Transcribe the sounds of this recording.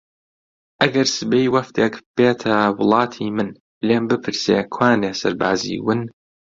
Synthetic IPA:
ʔɐɡɐɾsɨbejwɐft̪ʰeːkb̥eːt̪ʰɐwʊlˠɑːt̪ʰiːmɨn | leːmbɨpʰɨɾseːkʰwaːneːsɐ̰ɾba̰ːzḭːwɨn

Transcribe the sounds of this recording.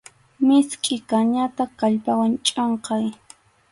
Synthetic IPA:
mɪskʼɪkaɲat̪akaʎpawant͡ʃʼoɴqɑj

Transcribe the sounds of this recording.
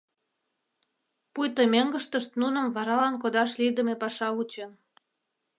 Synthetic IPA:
pujt̪əmeŋɡəʃt̪əʃt̪nunə̆mvɑɾɑlɑnk̬od̪ɑʃlid̪ə̆mepɑʃɑut͡ɕen

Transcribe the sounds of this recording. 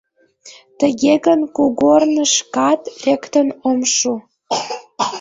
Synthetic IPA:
t̪ə̆ɣʲeɣənkuɡornə̆ʃkɑt̪ekt̪ənomʃu

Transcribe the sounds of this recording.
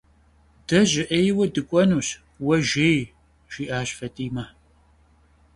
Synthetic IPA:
d̥ɐʑɪʔejwɐdɨkʷʼɔnuːɕ | wɐʒej | ʒ̥iːʔaːɕfɐtʼiːma

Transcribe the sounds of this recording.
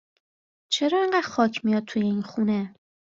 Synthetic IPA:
t͡ʃʰeɾɒːeŋɢæd̪̥xɒːcʰmijɒd̪̚t̪ʰujeinxuːne

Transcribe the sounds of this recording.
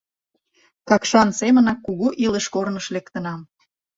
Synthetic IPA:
kɑkʃɑnsemənɑkːuɣuʔiləʃkornəʃlekt̪ənɑm

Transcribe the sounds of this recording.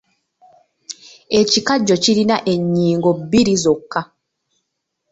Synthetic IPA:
e̞cikaɟːo̞ciɾinaʔe̞ɲːiːŋɡo̞bːiɾizo̞kːa

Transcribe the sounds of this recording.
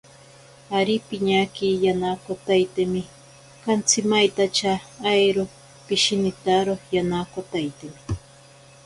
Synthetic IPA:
aɾipɪɲakijanakot̪ajt̪emɪ | kant͡sɪmajt̪at͡ʃaːjɾo | pɪʃinɪt̪aɾojanakot̪ajt̪emɪ

